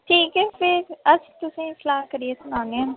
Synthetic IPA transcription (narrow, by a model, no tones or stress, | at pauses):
ʈʰiːkɛːpʰɪɾəst̪ʊsĩːsəlaːɦkəɾieːsʊnãːnd̪eaː